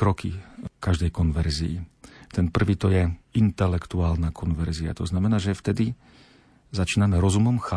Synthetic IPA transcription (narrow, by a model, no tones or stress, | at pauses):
kɾɔkḭkaʒd̪ɛjkɔnʋɛɾziḭt̪ɛnpr̩ʋiːt̪ɔjɛint̪ɛlɛkt̪uaːlnakʰɔnʋɛɾzia̰t̪ɔznamɛnaːʒɛft̪ɛd̪i | zat͡ʃiːnamɛɾɔzumɔmxa